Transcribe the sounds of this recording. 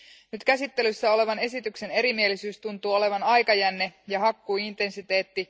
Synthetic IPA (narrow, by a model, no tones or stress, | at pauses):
nyt̪kæsit̪ːe̞lysːæo̞le̞ʋɑne̞sit̪ykse̞ne̞ɾimie̞lisyːst̪unt̪uːo̞le̞ʋɑnɑjkɑjænːe̞jɑɦɑkːuːint̪e̞nsit̪e̞ːt̪ːi